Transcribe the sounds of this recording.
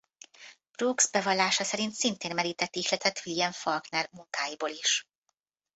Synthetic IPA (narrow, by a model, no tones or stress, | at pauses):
b̥ruːɡzbɛvɒlːaːʃɒsɛɾint̪sint̪eːnmɛɾiːt̪ɛt̪ːiʃlɛt̪ɛt̪ʋiljɛɱfɒlknɛrmuŋkaːjiboːliʃ